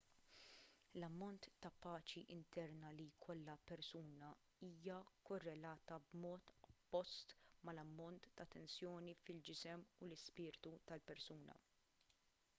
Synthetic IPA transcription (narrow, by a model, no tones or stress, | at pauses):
lɐmːɔnt̪ːɐpɐːt͡ʃiʔɪnt̪ɛɾnɐlikʰɔlːɐpɛɾsuːnɐ | iːjɐkɔrːɛlɐːt̪ɐbmɔːt̪ɔpːɔst̪mɐlɐmːɔnt̪ːɐt̪ːɛnsjɔːnifɪld͡ʒɪsɛmulɪspɪːɾt̪ut̪ɐlpɛɾsuːnɐ̰